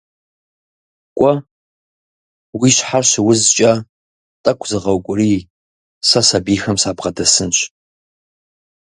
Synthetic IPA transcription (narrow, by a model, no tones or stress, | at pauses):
kʷʼɔ | wiɕħarɕɪwʊzt͡ʃʼɐ | tʼɐkʷʰzɨʁɐwkʷʼʊriː | sɐsabiːxɐmsaːbʁɐdɐsɨnɕ